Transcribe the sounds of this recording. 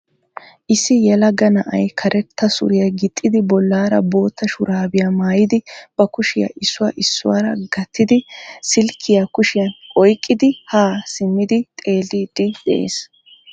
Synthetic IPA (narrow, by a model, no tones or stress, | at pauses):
ʔɪsːɪjɛlɐɡɐnɐʔɐ̰jkʰɐɾʔɛt̪ʰːɐsʊ̰ɾɪjɐɡɪt̪ʼːɪd̪ɪbɔlːaːɾɐ̰bo̞ːt̪ːɐʃʊɾaːbɪjaːmaːjɪd̪ɪb̥ɐkʊʃɪjɐ̰ʔɪsːʊwa̰ːʔɪsːʊ̰wa̰ːɾɐɡɐt̪ʰːɪd̪ɪsɪlkʰːɪjakʊʃɪjɐnʔɔjkʼːɪd̪ɪhaːsɪmːɪd̪ɪt̪ʼe̞ːlːid̪̥ɪd̪ɛʔḛːs